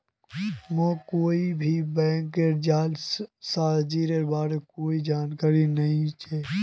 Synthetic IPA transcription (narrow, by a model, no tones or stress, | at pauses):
mə̃koːibʱibɛ̃ːŋkeɾd͡ʒaːlsaːd͡ʒiːɾeɾbaːɾekoːid͡ʒaːnkaːɾinəɦĩt͡ʃʰɛː